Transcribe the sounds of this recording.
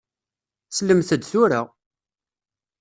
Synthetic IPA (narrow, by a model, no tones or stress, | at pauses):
sləmθəd̪θʊɾaʁ